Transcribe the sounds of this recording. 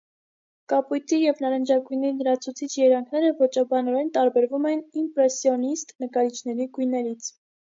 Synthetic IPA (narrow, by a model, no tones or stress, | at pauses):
kɑpujt̪ʰijɛvnɑɾənd͡ʒɑkujnɛɾinəɾɑt͡sʰut͡sʰit͡ʃʰjɛɾɑŋkʰnɛɾəvɔt͡ʃɑbɑnɔɾɛnt̪ɑɾbɛɾvumɛnimpɾɛsjɔnist̪nəkɑɾit͡ʃʰnɛɾiɡujnɛɾit͡sʰ